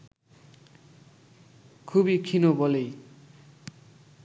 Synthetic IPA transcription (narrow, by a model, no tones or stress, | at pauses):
kʰubikʰinobʌlej